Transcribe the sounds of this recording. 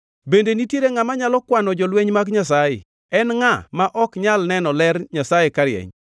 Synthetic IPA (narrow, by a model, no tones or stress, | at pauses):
bendenitjeɾeŋamaɲalɔkwanɔd͡ʒɔlweɲmakɲasajḛ | ɛnŋamaʔɔkɲalnɛnɔlɛrɲasajekaɾjɛ̰ɲ